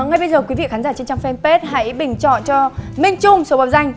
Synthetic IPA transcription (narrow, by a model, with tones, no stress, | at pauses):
ŋa˨˩jɓə˧jzəː˨˩kwi˨˦vḭ˧˨xaː˨˦nzaː˧˩t͡ɕe˧nt͡ɕa˧ŋfɛ˧npe˦˥t̚ha̰˧˥jɓï˨˧˩ŋ̟t͡ɕɔ̰˧˨nt͡ɕɔ˧mi˧ŋt͡ɕʊ˧ŋ͡mso˨˦ɓɔ˨˩p̚za˧jŋ̟